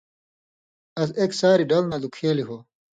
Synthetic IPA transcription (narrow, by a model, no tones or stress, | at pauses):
ɐseksaːɾiɖɐlnad̪ukʰeːliɦoː